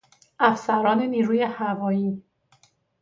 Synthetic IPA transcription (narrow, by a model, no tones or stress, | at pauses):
ʔæfsæɾɒːne̞niːɾuːje̞hævɒːjiː